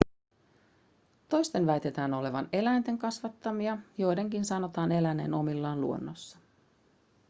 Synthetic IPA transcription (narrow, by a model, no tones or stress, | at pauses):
t̪o̞jst̪e̞nʋæjt̪e̞t̪æːno̞le̞ʋɑne̞læjnt̪e̞ŋkɑsʋɑt̪ːɑmiɑjo̞jde̞ŋkinsɑno̞t̪ɑːne̞læneːno̞milːɑːnluo̞nːosːɑ̥